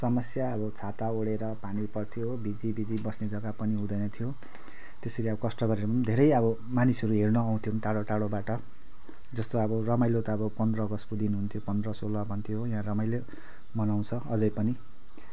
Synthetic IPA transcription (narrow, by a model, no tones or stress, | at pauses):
sʌmʌsjaʌbʌt͡sʰat̪aoɽeɾʌpanipʌrt̪ʰijobid͡zibid͡zibʌsned͡zʌɡapʌniɦũd̪ʌjnʌt̪ʰijo | t̪eseɾeʌbʌkʌsʈʌɡʌɾeɾʌpʌnd̪ʱeɾʌjʌbʌ | manisʌɾuɦernʌːw̃t̪ʰjonʈaɽoʈaɽobaʈʌ | d͡zʌst̪oʌbʌrʌmajlot̪aːbʌpʌnd̪rʌɡʌskod̪inuɦunt̪ʰjopʌnd̪rʌsolʌbʱʌnt̪ʰijoɦjɦãrʌmajle | mʌnaw̃t͡sʰʌʌd͡zʌjpʌni